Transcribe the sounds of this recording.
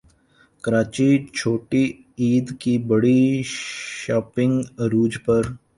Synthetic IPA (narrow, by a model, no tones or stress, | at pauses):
kəɾaːt͡ʃit͡ʃʰoːʈi | iːd̪kibəɽi | ʃaːpɪ̃ŋɡɾuːd͡ʒpɐɾ